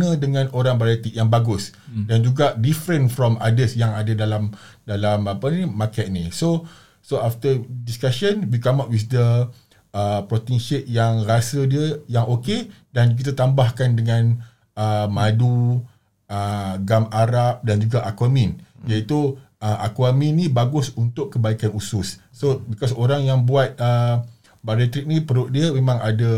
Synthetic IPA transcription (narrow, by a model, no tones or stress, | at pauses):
nə̃dəŋãnoɾaŋbaɾat̪iʔjaŋbaɡʊs | dand͡ʒuɡaʔdifɾə̃nfɾɔmadəsjaŋadadalam | dalamapənĩmakɛʔ̚nĩso | soaft̪ədiskaʃənwikamaʔwifd̪ə | əpɾot̪inʃɪʔ̚jaŋrasədiəjaŋʔoke | dank̬it̪at̪ambahkandəŋãn | əmadu | əɡamaɾap̚dand͡ʒuɡaʔakwamĩnjait̪uʔəʔa̰kwamĩnːĩbaɡʊsunt̪ʊkːəbaikanusʊsːobikɔsoɾaŋjaŋbuat̪̚ə | baɾɛt̪ɾik̚nĩpəɾʊʔ̚diəmẽmãŋada